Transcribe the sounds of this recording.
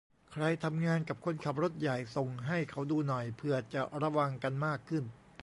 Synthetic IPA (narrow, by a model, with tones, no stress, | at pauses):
kʰɾa˧jt̪ʰa˧mŋaː˧nka˨˩p̚kʰo˧nkʰa˨˩p̚ɾo˦˥t̪̚ja˨˩jso˨˩ŋɦa˥˩jkʰa˦˥wduː˧nɔ˨˩jpʰɯ˧˩ɐt͡ɕa˨˩ʔɾa˧wa˧ŋka˧nmaː˥˩kʰːɯ˥˩n